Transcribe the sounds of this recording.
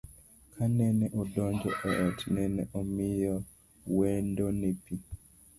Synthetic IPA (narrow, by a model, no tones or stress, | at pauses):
kʰanɛnɛʔɔdɔɲd͡ʒɔ̰ʔɛʔtnɛnɛʔɔmijɔ | wɛndɔnepi